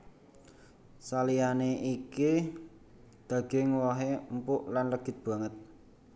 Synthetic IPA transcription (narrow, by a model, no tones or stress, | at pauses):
salijaneʔiki | d̪̥ä̤ɡ̥eŋwɔɦempʊʔlanləɡ̥ɪ̤t̪̚b̥a̤ŋət̪̚